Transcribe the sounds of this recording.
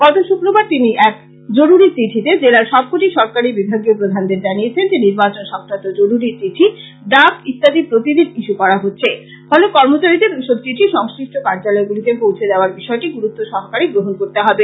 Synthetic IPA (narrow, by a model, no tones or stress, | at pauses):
ɡ̥ɔt̪oʃukɾobaɾt̪iniʔɛk | d͡ʑoɾuɾit͡ɕiʈʰit̪ed͡ʑelaɾʃɔb̚kʰoʈiʃɔɾkaɾibibʱaɡiopɾod̪ʱand̪eɾd͡ʑanijet͡ɕʰend͡ʑeniɾbat͡ɕonʃɔkʰɾat̪od͡ʑoɾuɾit͡ɕiʈʰi | ɖ̪akist̪ad̪ipɾot̪id̪id̪iʃukɔɾaɦotːɕʰe | fɔlokɔɾmot͡ɕaɾid̪eɾiʃod̪̚t͡ɕiʈʰiʃɔŋskɾiʃʈokaɾd͡ʑalɔeɡulit̪epowt͡ɕʰed̪eoaɾbiʃɔeʈiɡuɾut̪ːoʃɔɦkaɾiɡɾoɦonkoɾt̪eɦɔbe